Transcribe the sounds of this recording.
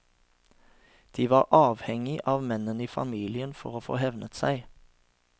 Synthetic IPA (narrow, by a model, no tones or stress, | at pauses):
d̪̥iːʋɑːʁʔɑːʋhɛŋɪʔɑːʋmɛnəniːfɑ̰miːlɪənfɔʁoːfo̰ːhɛʋnət̪sæɪ